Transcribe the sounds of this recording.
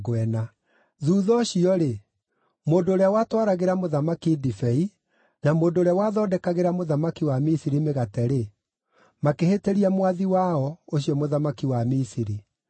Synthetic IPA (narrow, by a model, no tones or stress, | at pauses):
ɣwɛna | ðuːðɔɕiɔɾe | moːndoːɾeawatwaɾaɣeɾamoðamakidifɛi | namoːndoːɾawaðɔːdɛkaɣeɾamoðamakiwamisiɾimeɣatɛɾe | makeheteɾiamwaðiwaɔoɕiɔmoðamakiwamisiɾi